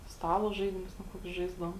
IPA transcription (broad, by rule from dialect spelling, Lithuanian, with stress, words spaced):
ˈstɑːlˠoː ˈʒɐɪdʲɪmʊs tʲɛn ˈkoːkʲʊs ˈʒɐɪzdɐʋoːm